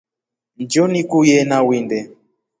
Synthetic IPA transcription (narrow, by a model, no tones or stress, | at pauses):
n̩d͡ʒɔnikujɛnawindɛ